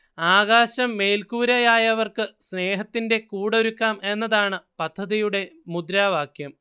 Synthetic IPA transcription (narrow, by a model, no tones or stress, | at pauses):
aːɣaːɕɐmːe̞ːlkuːɾɐjaːjɐʋɐrkɨsne̞ːɦɐt̪ːinde̞kuːɽoɾukːaːme̞nːɐðaːɳɨpɐd̪ʱːɐðijuɽe̞mud̪ɾaːʋaːkʰjɐm